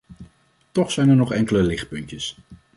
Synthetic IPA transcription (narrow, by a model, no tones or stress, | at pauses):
tɔχsɛjnɛɹnɔχɛŋkələlɪχt̚pɵncəs